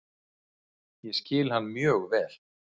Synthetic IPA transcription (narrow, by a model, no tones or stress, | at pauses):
jɛscɪːlhanːmjœːɣvɛːl̥